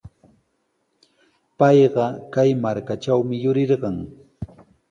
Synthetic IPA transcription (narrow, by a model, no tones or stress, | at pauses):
pɑjɢɑkajmaɾkaʈ͡ʂawmɪjʊɾɪɾɢɑŋ